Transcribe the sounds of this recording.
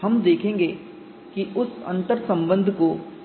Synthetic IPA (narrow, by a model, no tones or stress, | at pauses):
ɦɐmd̪eːkʰẽːŋɡeː | kiʔʊsɐ̰̃nt̪əɾsɐ̃mbə̃nd̪ʱko